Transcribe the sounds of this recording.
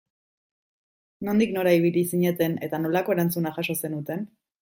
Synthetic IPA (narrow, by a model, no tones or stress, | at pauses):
no̞nd̪ikno̞ɾaiβ̞ilisiɲe̞t̪e̞ne̞t̪ano̞lako̞e̞ɾant͡sunaxaʃo̞se̞nut̪e̞n